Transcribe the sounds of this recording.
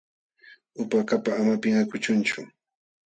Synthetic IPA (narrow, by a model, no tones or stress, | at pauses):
ʊpakapaːmapɪŋakʊt͡ʃʊnt͡ʃʊ